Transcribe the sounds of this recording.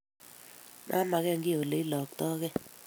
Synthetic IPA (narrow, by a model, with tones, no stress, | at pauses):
mʔa̰˦ma˨ɣɛ˦˨ŋɡi˦o˨le˨˦i˦lɔ˨k̚tɔ˦kɛ˦